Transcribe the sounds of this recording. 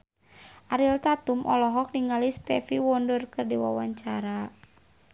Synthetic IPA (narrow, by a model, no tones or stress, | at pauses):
ʔaɾilt̪at̪umʔɔlɔɦɔk̚niŋalist̪ɛfiwɔndərkɨrdiwa̰waɲt͡ʃaɾa